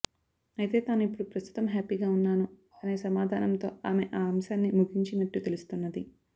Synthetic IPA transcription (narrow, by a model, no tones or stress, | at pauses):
ɐjit̪e̞ːt̪aːnuipːuɽupɾɐst̪ʰu̥t̪ɐmɦaːpiɡaːunːaːnu | aneːsɐmaːd̪ʱaːnɐmt̪o̞ːaːme̞ʔaːmsaːnːimuɡʱiɲt͡ʃinɐʈːut̪e̞lust̪unːɐd̪i